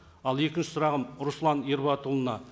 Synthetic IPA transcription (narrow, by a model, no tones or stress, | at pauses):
ɑlˠje̞kʲɪnʃɪ̥sʊɾɑʁəmɾʊslˠɑneɾbɑt̪ulˠənɑ